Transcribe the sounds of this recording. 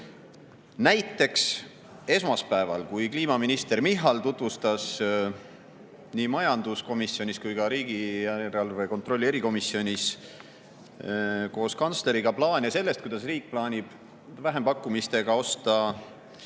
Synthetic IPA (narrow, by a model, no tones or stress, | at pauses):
næjt̪ːˑe̞ks | e̞smɑspæevɑ̰lkujkliːmɑminist̪e̞rmiɦːɑlt̪ut̪ˑvust̪ɑs | niːmɑjɑnd̪̥usko̞misːio̞nʲiskujɡɑɾiːɡiæɾɑlvejko̞nt̪ro̞lːie̞ɾiko̞misio̞nʲis | ko̞ːskɑnt̪sle̞ɾiɡ̥ɑplɑːnʲɑse̞lːe̞st̪kujd̪ɑs̬riːk̚plɑːnʲib̥ | væɦe̞mpɑkːˑumist̪e̞ɡ̥ɑo̞st̪ɑ